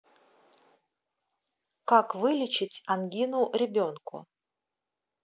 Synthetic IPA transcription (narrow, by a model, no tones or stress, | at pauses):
kakvɨlʲɪt͡ɕɪtʲanɡʲinʊɾʲɪbʲonkʊ̰